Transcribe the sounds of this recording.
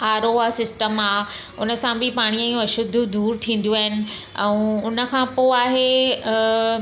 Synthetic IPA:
aːɾoasɪsʈəmaː | ʊnə̆sãbʱɪpaːɽ̃iə̃jũɐʃʊd̪ʱːud̪uːɾt̪ʰĩːn̆d̪uaːɦɪnɪ̆ | ɛ̰̃ʊnə̆kʰãpoːaːɦe

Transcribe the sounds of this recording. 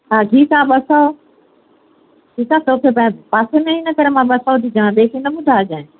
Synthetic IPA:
ɦaːɡʱiːsãːɓəsao | ʈʰiːkaːt̪oːkʰepɐ̃paːsemẽɪnəkəɾemãːɓəsaod̪id͡ʒaːãɓeːkʰĩnɐɓʊd̪ʱaːd͡ʒãːẽ

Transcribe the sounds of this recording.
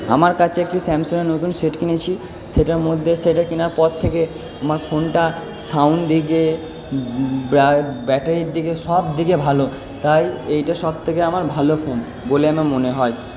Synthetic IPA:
a̰maɾkat͡ɕʰeek̚ʈisɛmsoneɾnot̪unseʈkinet͡ɕʰi | ʃeʈaɾmod̪ʱːeʃeʈakinaɾpɔɾt̪ʰːeke | amaɾfʰonʈa | sawnd̪ike | babɛʈaɾiɾd̪ikeʃɔbd̪ikebʱalo | t̪ajejʈaʃɔb̚t̪ʰekeamaɾbʱalofon | boleamamoneɦɔe

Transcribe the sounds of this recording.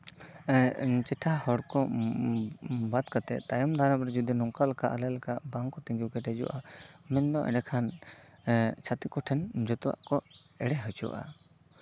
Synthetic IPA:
t͡ʃɛʈʰahɔɽkɔ | bad̪kat̪ɛ̰ʔt̪ajɔmd̪ʱaɾapɾɛd͡ʒud̪inɔŋkalakaʔalɛlakaʔbaŋkɔt̪iŋɡiwkɛʈɛd͡ʒɔ̰wʔamɛnd̪ɔʔɛ̰nɛkʰan | t͡ʃʰat̪ikɔʈʰɛnd͡ʒɔt̪ɔwa̰ʔkɔɛɽɛɦɔt͡ʃuwa̰ʔa̰

